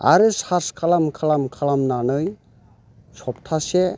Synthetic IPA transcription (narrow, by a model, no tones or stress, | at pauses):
a̰ɾɯsaskʰalamkʰalamkʰalamnanɯj | sɔp̚tʰase